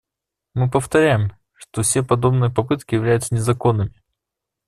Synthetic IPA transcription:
mɨpəft̪ɐɾʲæjɪm | ʂt̪ofsʲepɐd̪o̞bnɨjəpɐpɨt̪kʲɪjɪvlʲæjʊt̪sənʲɪzɐko̞nːɨmʲɪ

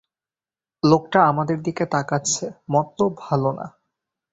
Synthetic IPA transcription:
lokʈaamad̪eɾd̪iket̪akaːt͡ɕʰemɔt̪ːobʱalona̰

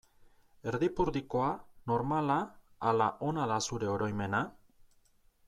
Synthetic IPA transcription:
e̞ɾðipuɾðiko̞ano̞ɾmalaː | laʔo̞naðasuɾe̞o̞ɾo̞jme̞na

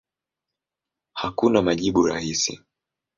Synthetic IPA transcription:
hakunamaʄiɓuɾa̰hisḭ

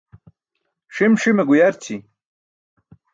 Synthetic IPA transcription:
ʂimʂimeɡujɐɾt͡ɕʰi

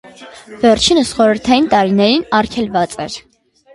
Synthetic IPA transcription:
vɛɾt͡ʃʰinəsχɔɾəɾt̪ʰɑjint̪ɑɾinɛɾinɑɾkʰɛlvɑt͡sʼɛ̰ɾ

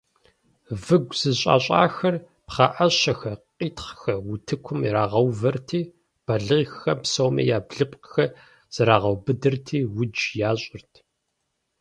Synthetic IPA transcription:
vɨɡʷz̥ɨɕʼa̰ːɕʼa̰ːxɐr | pχɑʔɐɕɐxɐqʼiːtχxɐwʊtʰɨkʷʰʊmiɾaːʁɐwvɐrtʰiː | b̥ɐɮɨxxɐpsowmɐ̰jaːbɮɨpʼxɐ | z̥ɐɾaːʁɐwbɨdɨrtʰiːwʊd͡ʒjaːɕʼɪrtʰ

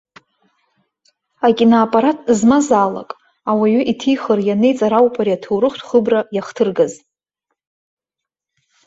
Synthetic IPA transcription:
akʲʼinaːpʼaɾatʰzmazaːla̰kʼ | awaɥʏʔitʰijχərjanejt͡sʼaɾawpʼʰaɾiatʰowɾɨχtʰχəbrajaχtʰɨrɡaz

